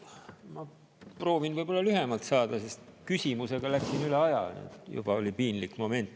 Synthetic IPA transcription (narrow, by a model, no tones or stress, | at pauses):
mɑ | pro̞ːvinvɤjb̥o̞lːɑlyɦemɑlt̪sɑːd̪̥ɑsest̪kysʲimuse̞ɡ̥ɑlæksinyleɑjɑ̰ḛt̪jṵb̥ɑo̞lipiːnlikmo̞me̞nt̪ːˑ